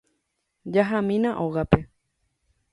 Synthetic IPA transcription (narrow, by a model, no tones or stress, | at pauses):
d͡ʒaɦamĩnãʔoɣape